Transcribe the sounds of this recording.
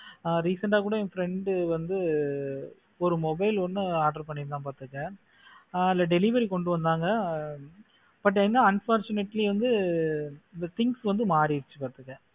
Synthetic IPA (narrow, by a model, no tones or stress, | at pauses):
ɾiːsɐɳʈaːkuːɽɐɛ̃fɾɛɳɖʋɐnd̪ɯ | ɔɾɯmɔbɐɪlɔnːɯaːɾɖɐɾpɐɳːɪɾt̪ãːpaːɾt̪ɯkːɐ | ɪlːɐɖɛlɪʋɐɾikɔɳɖɯʋɐnd̪aːŋɡɐ | b̥ɐʈ̬ːɛnːɐɐnfaːɾt͡ʃʊnɛʈːliʋɐnd̪ɯ | ɪnd̪ɐt̪ɪŋɡsʋɐnd̪ɯmaːɾiɾt͡ʃːɯpaːɾt̪ɯkːɐ̃